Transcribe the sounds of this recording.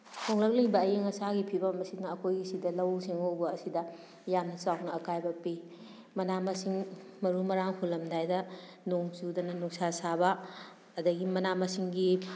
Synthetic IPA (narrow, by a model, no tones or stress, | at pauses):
hʰoŋlɐk̚lɐjbɐːjeŋɐsaɡipʰibɐmɐsinɐɐkʰojɡisidɐlɐwsiŋowbɐːsidɐ | jamnɐsawnɐːkajbɐpi | mɐnamɐsiŋmɐɾumɐɾaŋhulːɐmdajdɐ | noŋt͡ʃudɐnɐnuksasabɐ | ɐdɐɡimɐnamɐsiŋɡi